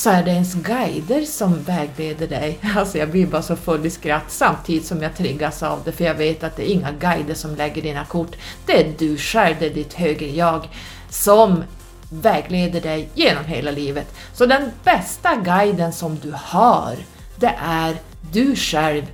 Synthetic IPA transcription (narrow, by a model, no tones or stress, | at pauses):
sɔæɖɛɛnsɡajd̪əɾsɔmvɛːɡleːd̪əɖɛjalsɔjɑːɡbliɾbɑːɾsɔfɵlːɪskɾat̪ːsamt̪ʰiːd̪ɪt̪sɔmjɑt̪ʰɾɪɡːasa̰ːvd̪ɛfœɾjɑːɡveːt̪at̪̚d̪ɛːɾɪŋːaɡajd̪əʂɔmlɛɡːəɖiːnakʰʊʈːd̪̥ɛæɖɵʂɛlvd̪ɛæɖɪt̪høːɡɾəjɑːɡ | sɔm | vɛːɡleːd̪əɖɛjjeːnɔmɦeːlaliːvət̪ | sɔd̪ɛnb̥ɛst̪aɡajd̪ənsɔmd̪ɵhɑ̰ɾ | d̪ɛʔæɾ | d̪ɵʂɛlv